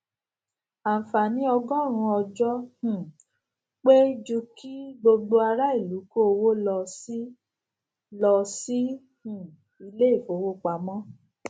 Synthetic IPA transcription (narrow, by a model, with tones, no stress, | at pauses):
a˨fa˨nĩ˨˦ɔ˧ɡɔ˦˨ɾ̃ũ˧ɔ˧d͡ʒɔ˦hũ˨ | k͡pe˦d͡ʒu˧ki˦ɡ͡bo˧ɡ͡bo˧a˧ɾa˦i˦˨lu˨˦ko˦o˧wo˦lɔ˧si˦ | lɔ˧si˦ | hũ˨ | i˧le˦i˦˨fo˨˦wo˦k͡pa˨˦mɔ̃˦